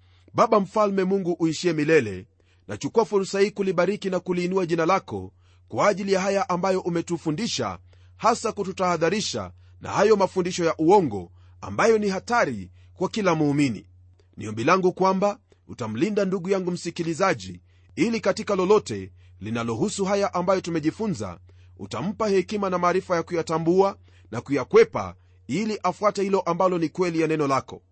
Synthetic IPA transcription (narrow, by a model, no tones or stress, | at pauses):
ɓaɓam̩falmɛmuŋɡuʔuiʃiɛmilɛlɛ̰ | na̰t͡ʃukuafuɾsahiːkuliɓaɾikinakuliːnuaʄinalakɔ̰ | kwaːʄilijaɦajaʔambajɔʔumɛtufundiʃa̰ | hasakututahaðaɾiʃa̰ | na̰hajɔmafundiʃɔjaʔuɔŋɡɔ̰ | a̰mbajɔnihataɾi | kwakilamuːminḭ | nḭɔmbilaŋɡukwamba | utam̩lindanduɠujaŋɡum̩sikilizaʄi | ilikatikalɔlɔtɛ | linalɔɦusuɦajaʔambajɔtumɛʄifunza̰ | ṵta̰m̩pahɛkimanamaːɾifajakujatambua | nakujakwɛpa̰ | iliʔafuatɛhilɔʔambalɔnikwɛlijanɛnɔlakɔ̰